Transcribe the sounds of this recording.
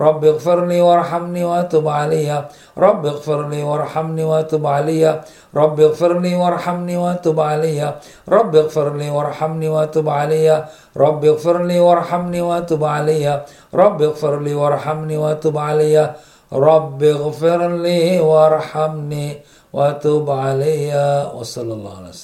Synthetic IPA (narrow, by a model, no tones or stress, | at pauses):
ɾˤɑbːɪɣfɪɾniːwɑɾˤħamniːwaʔt̪ʊbʕalajːa | ɾˤɑbːɪɣfɪɾniːwɑɾˤħamniːwaʔt̪ʊbʕalajːa | ɾˤɑbːɪɣfɪɾniːwɑɾˤħamniːwaʔt̪ʊbʕalajːa | ɾˤɑbːɪɣfɪɾniːwɑɾˤħamniːwaʔt̪ʊbʕalajːa | ɾˤɑbːɪɣfɪɾniːwɑɾˤħamniːwaʔat̪uːbʕalajːa | ɾˤɑbːɪɣfɪɾliːwɑɾˤħamniːwaʔat̪uːbʕalajːa | ɾˤɑbːɪɣfɪɾniːwɑʔɑɾˤħamniː | waʔat̪uːbʕalajːawɑ̰sˤɑlːɑlˤːɑ̰ːʕalas